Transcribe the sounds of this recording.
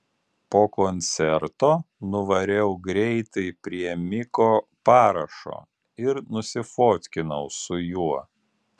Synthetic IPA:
poːkɔnʲt̪sʲɛɾt̪oːnʊʋɐɾʲɛʊɡɾʲɛɪt̪ɐɪpʲɾʲiɛmʲɪkoːpɑːɾɐʃo̰ː | ɪɾnʊsʲɪfoːt̪ʲkʲɪnɐʊsʊjuɔ

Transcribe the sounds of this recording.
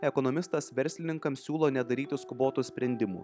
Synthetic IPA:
ɛkɔnɔmʲɪst̪ɐsʋʲɛɾʲsʲlʲɪnʲɪŋkɐmsʲuːlˠoːnʲɛd̪ɐɾʲiːt̪ʲɪskʊboːt̪uːsʲpʲɾʲɛnʲd̪ʲɪmṵ

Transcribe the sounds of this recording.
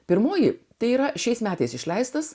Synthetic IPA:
pʲɪɾmoːjɪt̪ɐɪiːɾɐʃʲɛɪsmʲæːt̪ɐɪsɪʃʲlʲɛɪst̪ɐs

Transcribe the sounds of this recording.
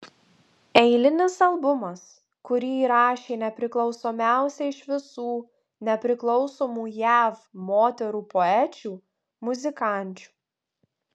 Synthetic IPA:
ɛɪlʲɪnʲɪsɐlˠbʊmɐs | kʊɾʲiːiːɾɑːʃʲeːnʲɛpʲɾʲɪklˠɒʊsoːmʲæˑʊsʲɛɪʃʲʋʲɪsuː | nʲɛpʲɾʲɪklˠɒʊsoːmuːjæːfmoːt̪ʲɛɾuːpɔɛt͡ʃʲuː | mʊzʲɪkɑˑnʲˑt͡ʃʲu̥ː

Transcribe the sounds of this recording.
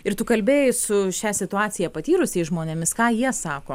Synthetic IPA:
ɪɾt̪ʊkɐlʲbʲeːjɪsʊʃʲæːsʲɪt̪ʊɑːtt͡s̪ʲɪjɛpɐt̪ʲiːɾʊsʲɛɪsʒmoːnʲɛmʲɪskɑːjiɛsɑːkoː

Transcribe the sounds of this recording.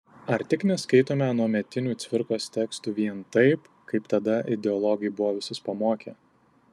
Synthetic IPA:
ɐɾt̪ʲɪknʲɛskɐɪt̪oːmʲɛnuɔmʲɛt̪ʲɪnʲuːt̪sʲʋʲɪɾkoːst̪ʲɛkst̪uːʋʲiɛnt̪ɐɪp | kɐɪpt̪ɐd̪ɐʔɪd̪ʲɛɔlˠɔɡʲɪjbʊʋɔːʋʲɪsʊspɐmoːkʲɛ̰

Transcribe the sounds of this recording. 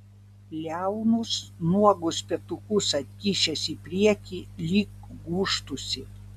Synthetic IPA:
lʲæʊnʊsnuɔɡʊspʲɛt̪ʊkʊsɐt̪ʲkʲiːʃʲɛsʲipʲɾʲiɛkʲiːlʲiːkɡuːʃt̪ʊsʲɪ

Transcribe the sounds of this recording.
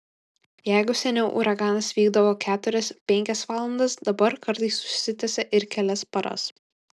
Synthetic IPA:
jæɪɡʊsʲɛnʲɛʊʔʊ̰ɾɐɡɑːnɐsʋʲiːɡd̪ɐʋoːkʲæːt̪ʊɾʲɛspʲɛŋʲkʲɛsʋɑːlˠɐnd̪ɐsd̪ɐbɐɾkɐɾt̪ɐɪsːʊ̥sʲɪt̪ʲɛsʲɛʔɪɾkʲɛlʲɛspɐɾɐ̰s

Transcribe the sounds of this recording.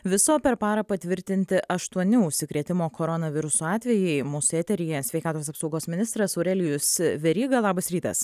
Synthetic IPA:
ʋʲɪsoːpʲɛɾpɑːɾɐpɐt̪ʲʋʲɪɾʲt̪ʲɪnʲt̪ʲɪʔɐʃt̪uɔnʲɪʊʃʲsʲɪkɾʲeːt̪ʲɪmoːkoːɾonɐʋʲɪɾʊsuɑːt̪ʲʋʲɛjɛɪmuːseːt̪ʲɛɾʲɪjɛsʲʋʲɛɪkɑːt̪oːsɐpsɒʊɡoːsmʲɪnʲɪst̪ɾɐsoʊɾʲɛlʲɪjʊsʋʲɛɾʲiːɡɐlˠɑːbɐsɾʲiːt̪ɐ̰s

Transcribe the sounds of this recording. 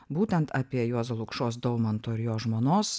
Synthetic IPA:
buːt̪ʲɛnt̪ɑːpʲiɛjoɔsɐlˠʊkʃoːs̬d̪ɔʊmɐnt̪oːɪɾjoːʒmoːnoːs

